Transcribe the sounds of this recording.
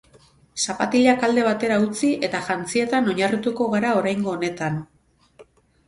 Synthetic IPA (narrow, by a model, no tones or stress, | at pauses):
sapat̪iʎakald̪e̞β̞at̪e̞ɾaut͡siʔe̞t̪aʝant͡sie̞t̪ano̞ɲarit̪uko̞ɣaɾao̞ɾajŋɡo̞ːne̞t̪an